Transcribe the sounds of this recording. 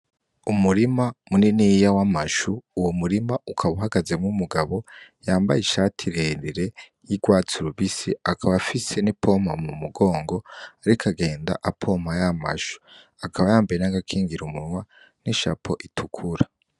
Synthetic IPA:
umuɾimamuninijawamaʃuːwomuɾimaukʰaβuɦaɡaze̞mŋumuɡaβo̞jaːmba̰jiʃatʰiɾeniɾe̞ | jiɡwaːt͡suɾuβisiakʰaβafise̞nipʰom̥hamumuɡo̞ːŋɡo̞aɾikʰaɡe̞ːnda̰ʔapʰo̞m̥ajama̰ʃu̥ | akʰaβajaːmbeɾenaɡakʰiːŋɡiɾumuwa | niʃa̰pʰo̞ʔitʰukʰuɾa

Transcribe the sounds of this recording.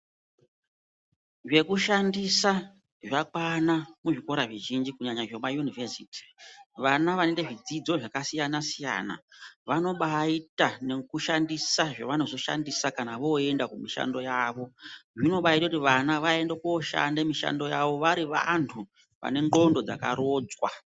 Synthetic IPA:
ʐe̞kuʃandisa | ʐakwanamuʐiko̞ɾaʐiʒind͡ʒikuɲaɲaʐemajunivesiːti̥ʋanaʋanendeʐid͡zid͡zo̞ʐakasijanasija̰ːna̰ʋano̞ɓaitane̞kuʃandisaʐaʋano̞zo̞ʃa̰ndisakanaʋo̞e̞ndakumiʃa̰ndo̞jaːʋo̞ʐino̞ɓaitakutiʋanaʋae̞ndakoːʃa̰ndemiʃa̰ndo̞jaʋo̞ʋaɾiʋa̰ntʰu | ʋa̰ne̞ŋɡo̞ndo̞d͡za̰ka̰ɾoːd͡zwa̰

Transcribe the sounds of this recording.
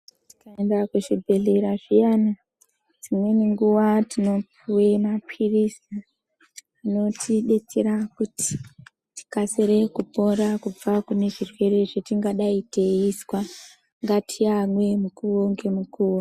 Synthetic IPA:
ti̥kaendakuʐibʱe̞ɮe̞ɾaʐijana | d͡zimwe̞niŋɡuʋatʰino̞p | uwe̞mapʰirisi | ino̞tʰiɗe̞t͡seɾakuti̥ | ti̥kaseɾekupo̞rakub͡vakune̞ʐirwe̞ɾe̞ʐetiŋɡaɗaiteiswa | ŋɡatʰiamwe̞mukuwoŋɡe̞mukuːwo

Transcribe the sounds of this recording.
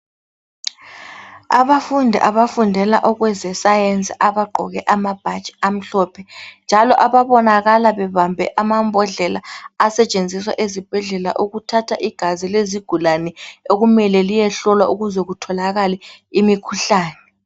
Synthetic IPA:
aβafundʱɛ̰ʔaβafundʱɛlaʔɔɣwɛzɛsajent͡sʼiʔaβaɡ͡ǃʱɔ̰ɣɛʔamab̥ʱat͡ʃʼi̥am̩ɬɔːpʰɛnd͡ʒʱalɔʔaβaβɔnaɣalaβɛβambʱɛ̰ʔamambʱɔɮɛlaːsɛt͡ʃʼend͡zʱiswa̰ʔezib̥ʱɛɮɛla̰ʔuɣutʰatʰaʔiɡ̥ʱazileziɡ̥ʱulanɛoɣumɛlɛlijɛɬɔlwaʔuɣuzɛɣutʰɔlaɣalɛimikʰuɬaːnɛ

